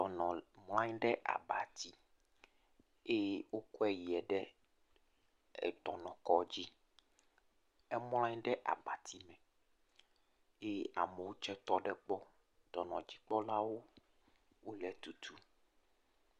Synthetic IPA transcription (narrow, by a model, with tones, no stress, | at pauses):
ɔ˨nɔ̃˨ml̃ã˦ɲ˦ɖɛ˦ʔa̰˨ba˨t̪i˦ | e˦jwo˦kɔ˦ɛ˨ji˨ɛ˨ɖɛ˦˨ | t̪ɔ˨nɔ̃˨kɔ˦d͡ʑi˦ | ɛ˦m˦l̃ã˦ɲ˦ɖɛ˦ʔa̰˨ba˨t̪ʰi˦mɛ̃˨ | e˦a̰˨me˨wo˦t͡ʃɛ˦t̪ɔ˦ɖɛ˦k͡pɔ˦ | t̪ɔ˨nɔ̃˨d͡ʑi˦k͡pɔ˦la˦wo˦ | wo˦lɛ˨t̪u˨t̪ʰu˨